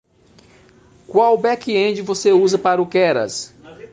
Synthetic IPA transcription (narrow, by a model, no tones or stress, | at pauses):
kwawbɛkɪẽd͡ʒɪvoseuzɐpaɾʊkɛɾɐ̰s